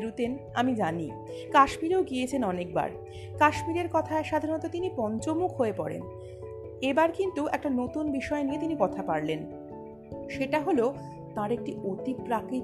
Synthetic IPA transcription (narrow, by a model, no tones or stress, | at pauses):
ɾut̪enamid͡ʑani | kaʃmiɾeoɡiet͡ɕʰenɔnek̚ba̰ɾ | kaʃmiɾeɾkɔt̪ʰaeʃad̪ʱaɾnot̪ot̪inipɔnt͡ɕomukʰɦoepɔ̰ɾḛn | ebaɾkint̪uɛk̚ʈanot̪unbiʃɔeniet̪inikɔt̪ʰapaɾlen | ʃeʈaɦolo | t̪ãɾek̚ʈiʔot̪ipɾakɾi